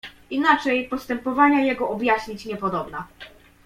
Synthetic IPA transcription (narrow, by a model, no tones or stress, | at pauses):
inat͡ʂɛjpɔst̪ɛmpɔvaɲajɛɡɔɔbjaɕɲit͡ɕɲɛpɔd̪ɔbna